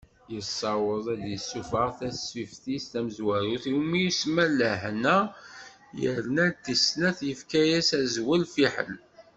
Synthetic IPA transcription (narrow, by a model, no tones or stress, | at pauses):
jəsˤːɑwəðˤæd̪jəsːufəʁθæsifθist̪æməzwæɾuθiwmijusmæləhnæ | jə̰ɾnæt̪ːisnæθjəfkæjæsæzwəlfiħə̰l